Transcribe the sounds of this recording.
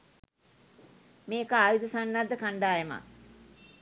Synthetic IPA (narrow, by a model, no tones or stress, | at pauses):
meːkəaːjud̪usanːad̪ːəkaɳɖaːjema̰